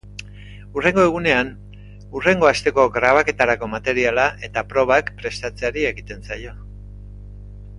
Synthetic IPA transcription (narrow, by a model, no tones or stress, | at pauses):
ure̞ŋɡo̞e̞ɣ̞une̞an | ure̞ŋɡo̞ast̪e̞ko̞ɣɾaβ̞ake̞t̪aɾako̞mat̪e̞ɾialaʔe̞t̪apɾo̞β̞akpɾe̞st̪at͡seaɾie̞ɣit̪e̞nsajo̞